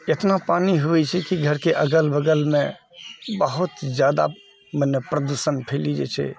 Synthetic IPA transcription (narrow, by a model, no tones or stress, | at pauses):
et̪napaniɦuɛt͡ʃʰɛkiɡʱəɾkeʔəɡəlbəɡəlmẽ | bəɦut̪d͡ʒjad̪a̰ | mənːepɾəd̪usənpʰelid͡ʒḛt͡ʃʰɛ̰